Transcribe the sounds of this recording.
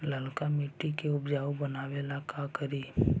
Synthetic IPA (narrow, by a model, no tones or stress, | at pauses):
ləlkamɪʈːikeʊpd͡ʒaːʋobɐnaːʋelakakəɾiː